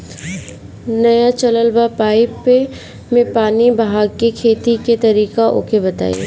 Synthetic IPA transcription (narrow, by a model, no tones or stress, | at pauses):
nɐjat͡ʃɐləlbapaːɪpːe | mẽpaːnibɦaːɡ̚kekʰeːt̪iket̪ɐɾiːkaʔo̰ːkebɐt̪a̰ːj̰ḛ